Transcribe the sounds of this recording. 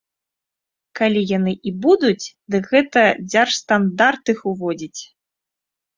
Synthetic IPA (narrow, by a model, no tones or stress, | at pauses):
kalʲijanɨʔibud̪ut͡sʲd̪ɨkɣɛt̪ɐd͡zʲarst̪and̪art̪ɨxuvɔd͡zʲit͡sʲ